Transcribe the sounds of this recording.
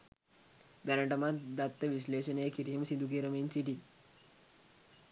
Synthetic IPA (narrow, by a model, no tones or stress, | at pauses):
d̪ɐɾɐɳʈɐmad̪at̪ːəʋisleːɕɐneːkiɾijɐmsind̪uk̬eːɾəmiːnsiʈi